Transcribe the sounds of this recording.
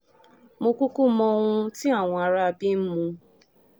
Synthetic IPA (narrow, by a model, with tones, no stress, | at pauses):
mo˧ku˦ku˦mɔ̃˧ŋũ˧ti˦a˦˨w̃ɔ̃˧a˨˧ɾa˦a˧bi˦m̩˦mũ˧